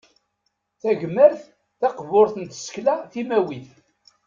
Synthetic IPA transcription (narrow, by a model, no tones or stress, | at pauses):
θæʝəməɾθ | θɑqvʊɾθənt̪ə̥sklæθimæwiθ